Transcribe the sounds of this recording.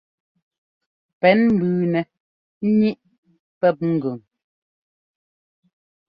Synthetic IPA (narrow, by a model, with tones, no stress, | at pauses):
pɛ˨˦nm̩˦bʉː˨nɛ˨ | n̩˦ɲi˦ʔ | pɛ˦˨p̚ŋ̩˨ɡʉ˨ŋ